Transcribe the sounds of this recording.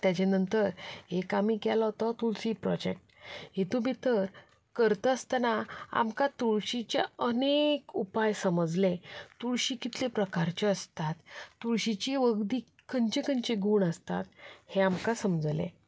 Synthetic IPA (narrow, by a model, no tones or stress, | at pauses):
t̪jat͡ɕenənt̪əɾekamikɛlɔɦt̪ɔt̪ulsipɾɔ̰d͡ʑek̚ʈɦit̪ũbʱit̪əɾ | kəɾt̪əəst̪ənaa̰mkat̪uɭɕit͡ɕḛənekupajsəməd͡zlet̪uɽɕikit̪lepɾəkaɾt͡ɕeəst̪at̪ːuɭɕit͡ɕiʋəɡd̪iː | kəɲt͡ɕekəɲt͡ɕeɡʱuːɳəst̪a̰t̪heamkasəmd͡zlḛ̃